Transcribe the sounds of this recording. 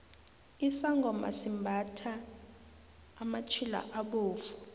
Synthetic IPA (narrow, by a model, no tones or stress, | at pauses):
isaŋɡʱɔma̰simbʱatʰa | mat͡ʃʰila̰ʔaɓoːfu̥